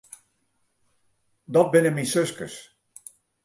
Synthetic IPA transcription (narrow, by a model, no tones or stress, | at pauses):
dɔt̚bɪnəminsøskə̰s